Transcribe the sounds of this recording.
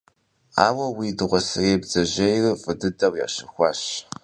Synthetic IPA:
a̰ːwɐwiːdɨʁʷɔsɨreːbzɐʑejrɨfʼɨdɨdɐwja̰ːɕɨxʷɑːɕ

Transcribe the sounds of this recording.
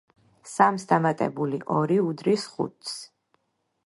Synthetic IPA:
samsd̪amat̪ʼɛ̰buliʔɔɾiud̪ɾisχṵt̪ʰʼs

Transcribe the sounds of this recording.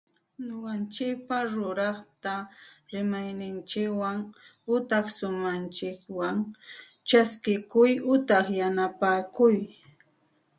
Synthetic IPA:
ɲoɢɑnt͡ʃɪk̚paɾʊɾɑχt̪aɾɪmajnɪnt͡ʃɪkwaŋʊt̪ɑχsʊmant͡ʃɪkwaŋt͡ʃaskɪkʊjʊt̪ɑχjanapaːkʊj

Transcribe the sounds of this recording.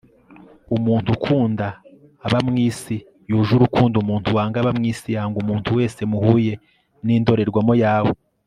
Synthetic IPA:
umuːntukʰuːndaː | βamŋiːsi | juʒuɾukuːndumuːntʰuwaːŋɡaβamŋiːsijaːŋɡumuːntuwe̞ːse̞muhuːje̞ | niːndo̞ɾe̞ɾɡwamojaːwo

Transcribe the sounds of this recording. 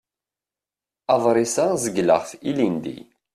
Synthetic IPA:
ɑðˤɾˤɪsazəɡlə̰ʁθilind̪ḭ

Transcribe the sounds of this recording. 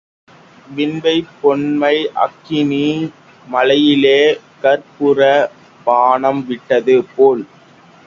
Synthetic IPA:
ʋɪnbɐɪpːɔɳmɐɪʔɐ̰kːɪniː | mɐlɐjɪleː | kɐɾpɯɾɐ | paːɳɐmʋɪʈːɐðɯpoːl

